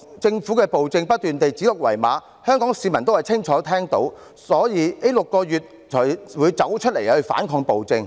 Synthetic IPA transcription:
t͡sɪ˧ŋfuː˨˥kɛː˧po˨wt͡sɪ˧ŋpɐ˥t̚t̪yː˨nt̪e˨jt͡si˨˥lʊ˨k̚wɐ˨˩jma̰ː˨˧˥ | hœː˥ŋkɔː˨˥ŋsiː˨˧mɐ˨˩nt̪o˥wɐ˨jt͡sʰɪ˥ŋt͡ʃʰɔː˨˥t̪ʰɛː˥ŋt̪o˨˥w | sɔː˨˥jiː˨˧ne˥lʊ˨kːɔː˧jyː˨t̚ | t͡ʃʰɔː˨˩jwuː˨˧jt͡sɐ˨˥wt͡ʃʰt̚le˨˩jhɵ˧ɥfa̰ː˨˥nkʰɔː˧ŋpo˨wt͡sɪ˧ŋ

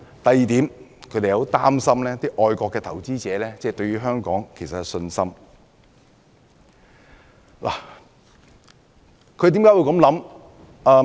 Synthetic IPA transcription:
t̪ɐ˨jiː˨t̪iː˨˥mkʰɵ˨˧t̪e˨jɐ˨o˨˥wt̪aː˥msɐ˥mlɛː˥t̪iː˥ʔɔː˧jkɔː˧kːɛː˧t̪ʰɐ˨˩wt͡siː˥t͡sɛː˨˧lɛː˥t͡sɛː˥˩t̪ɵ˧ɥyː˥ɦœː˥ŋkɔː˨˥ŋkʰe˨˩sɐ˨tɛ˨˩sɵ˧nsɐ˥m | la̰ː˨˩ | kʰɵ˨˧t̪̬iː˨˥mkaː˥wu˧wkɐ˨˥mlɐ˨˥m | ɐː˧

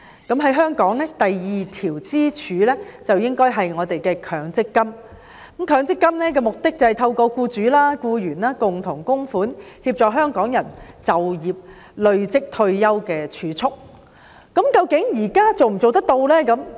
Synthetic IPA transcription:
kɐ˨˥mɦɐ˨˥jɦœː˥ŋkɔː˨˥ŋlɛː˥t̪ɐ˨jjiː˨t̪ʰiː˨˩wt͡siː˥t͡ʃʰyː˨˧lɛː˥t͡sɐ˨wjɪ˥ŋkɔː˥jɦɐ˨jŋɔː˨˧t̪e˨jkɛː˧kʰœː˨˥ŋt͡sɪ˥kːɐ˥m˨˦ | mkʰœː˨˧ŋt͡sɪ˥kːɐ˥mnɛː˥k̬ɛː˧mʊ˨k̚t̪ɪ˥k̚t͡sɐ˨hɐ˨˩jt̪ʰɐ˧wkɔː˧kuː˧t͡ʃyː˨˥laː˥kuː˧jyː˨˩naː˥kʊ˨ŋt̪ʰʊ˨˩ŋkʊ˥ŋfuː˨˥nhiː˧p̚t͡sɔː˨k̚ɦœː˥ŋkɔː˨˥ŋjɐ˨˩nt͡sɐ˨wjiː˨p̚ | lɵ˨˧ɥt͡sɪ˥k̚t̪ʰɵ˧ɥjɐ˥wkɛː˧t͡ʃʰyː˨˧t͡sʰʊ˥k̚ː | ɐ˨˥mkɐ˧wkɪ˨˥ŋjiː˨˩kaː˥t͡so˨wm̩˨˩t͡so˨wt̪̬ɐ˥k̚t̪o˧wlɛː˥kɐ˨˧˥m

